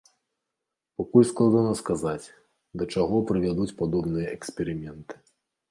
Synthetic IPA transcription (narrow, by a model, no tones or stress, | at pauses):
pakulʲsklˠad̪anɐskazat͡sʲ | d̪ɐt͡ʂaɣɔpɾɨvʲad̪ut͡sʲpad̪ɔbnɨjɐʔɛksʲpʲɛɾɨmʲɛnt̪ɨ̥